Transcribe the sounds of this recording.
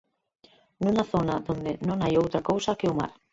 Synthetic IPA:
nũnaθonaðond̪ɪnõŋajowt̪ɾakowsɐkɪʊma̰ɾ

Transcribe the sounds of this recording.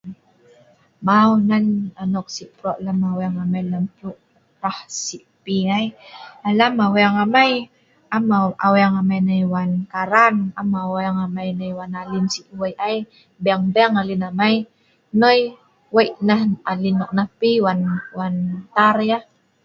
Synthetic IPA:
mawnananɔk̚siʔpɾɔʔlamawaŋamajlampluʔ | ɾahsiʔpiŋajalamawaŋamaj | amaa̰wɛaŋamajnajwankaɾanamawaŋamajnajwanalinsiʔwajʔaj | bɛaŋbɛŋalinamaj | noj | wajʔnahalinɔʔ̚nahpiwanwant̪aɾja

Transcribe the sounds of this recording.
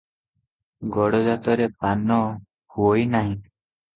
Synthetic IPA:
ɡɔɽɔd͡ʒat̪ɔɾepanɔ | huojnaɦĩ

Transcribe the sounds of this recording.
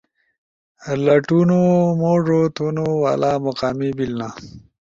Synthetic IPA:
laʈunomoʐot̪unowa̰ːlamoqaːmibilna

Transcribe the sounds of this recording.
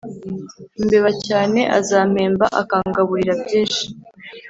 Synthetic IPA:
mbe̞βacaːne̞ʔa̰zaːm̥e̞ːmba̰ʔa̰kaːŋɡaβuɾiɾabɟiːʃi̥

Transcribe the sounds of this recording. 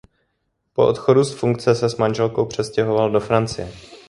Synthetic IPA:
po̞ʔot̪xo̞dusfuŋkt͡sɛsɛsmanʒɛlko̞wpr̝̥ɛscɛɦo̞valdo̞fɾant͡sɪjɛ

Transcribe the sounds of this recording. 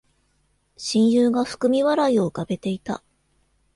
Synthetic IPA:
ɕĩɰ̃jɯːɡaɸɯ̥kɯ̟mʲiβaɾaio̞ɯkabe̞t̪e̞it̪a̰

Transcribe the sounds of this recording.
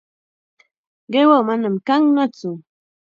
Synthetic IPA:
ɡewomanɨmkaŋnɔt͡su

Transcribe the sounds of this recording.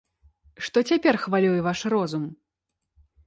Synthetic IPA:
ʂt̪ɔt͡sʲapʲɛrxvalʲujɛvaʂrɔzum

